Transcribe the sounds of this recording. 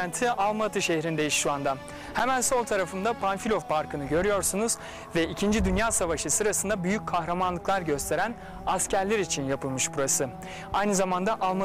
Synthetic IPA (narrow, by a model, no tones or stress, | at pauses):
ænt̪ʰiʔalˠmat̪ʰɯʃehɾind̪ejiʃʃuand̪a | hɛmænso̞lˠt̪ʰaɾafɯnd̪apʰanfilʲovpʰaɾkʰɯnɯɟø̞ɾyjo̞ɾsunuz̥ | vɛicʰind͡ʒid̪ynjaːsavaʃɯsɯɾasɯnd̪abyjyc̚ʲkʰaxɾamanlˠɯklˠaɾɟø̞st̪ʰe̞ɾæn | ascæɾlʲeɾit͡ʃʰinjapʰɯlˠmɯʃbuɾasɯ | ajnɯzamand̪aʔalˠma